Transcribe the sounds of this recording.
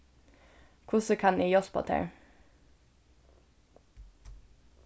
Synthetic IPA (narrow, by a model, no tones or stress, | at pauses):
kʰʊsəkʰɑniːjɔspʰɑ̰ːt̪ʰḛɹ